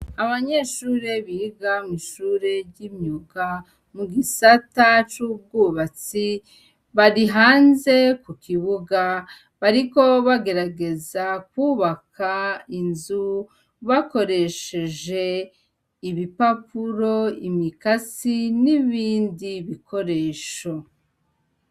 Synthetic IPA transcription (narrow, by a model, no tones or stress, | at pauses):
aβaɲe̞ʃuːɾe̞βiiɡamiʃuːɾe̞ɾɟimɲuɡa | muɡisatat͡ʃuːb̚ɡuːβat͡si | βaɾiɦaːnze̞kukiβuɡa | βaɾiko̞βaɡe̞ɾaɡe̞zakwuːβakʰainzu | βako̞ɾe̞ʃe̞ʒe̞ | iβipapuɾo̞imikat͡siniβiːndiβikʰo̞ɾe̞ːʃo